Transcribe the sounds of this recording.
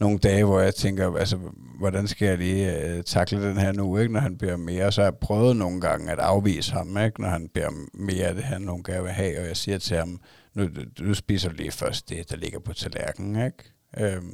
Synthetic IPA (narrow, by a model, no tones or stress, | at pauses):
no̝ːn̩d̥ɛːʋɒjɑ̈ɪt͡sʰeŋ̰ɡ̥ɐælsə | ʋɒɾænsɡ̥æjɑ̈ɪliːt͡sʰɑ̈ɡ̥ləd̥enɦæɐnueɡ̥nɒɦænb̥liɐme̝ːɐɒsɒhɑpʰʁœːʊð̩ˠno̝ːn̩ɡ̥ɑ̈ŋəæd̥ɑ̈ʊʋḭːsə̥hɑ̈meɡ̥nɒhænb̥liɐme̝ːɐæd̥e̝ɦæɐnoːn̩ɡ̥æʋeɦɛ̰ːɒ̽jɑ̈ɪsiːɐt͡sʰe̝hɑ̈m | nud̥usb̥ḭːsɐlḭːfɶɐsd̥ːe̝d̥ɑle̝ɡ̥ɐpʰɒ̽t͡sʰælæɐɡ̥ŋ̩eɡ̥ | ʔø